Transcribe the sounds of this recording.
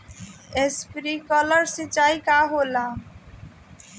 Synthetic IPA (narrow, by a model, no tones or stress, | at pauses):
espɾiːkɔləɾsɪt͡ʃaːikaːɦoːla